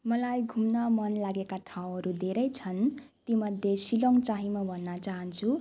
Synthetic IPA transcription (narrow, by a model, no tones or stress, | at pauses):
mʌlajɡʱumnʌmʌnlaɡekatʰaw̃ʌɾud̪ʱeɾʌjt͡sʰʌn | t̪imʌd̪ʱjesiloŋt͡saɦimabʱʌnːʌt͡saɦʌnt͡sʰu